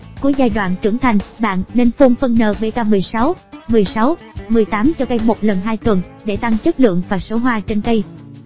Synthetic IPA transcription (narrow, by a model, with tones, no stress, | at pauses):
ku˨˧˦əzaː˧jɗwa̰ː˧˨nt͡ɕɨ˧˩əŋt̪ʰa˨˩jŋ̟ɓa̰ː˧˨nne˧nfo˧nfə˧nnəː˧˩ɓe˧˩kaː˧mɨ˨˩əjsa˨˦wmɨ˨˩əjsa˨˦w | mɨ˨˩əjt̪aː˨˦mt͡ɕɔ˧kə˧jmo˨˩t̚lə˨˩nɦaː˧jt̪wə˨˩n | ɗe˧˩t̪a˧ŋt͡ɕə˦˥t̚lɨ̰˧˨əŋvaː˨˩so˨˦ɦwaː˧t͡ɕe˧nkə˧j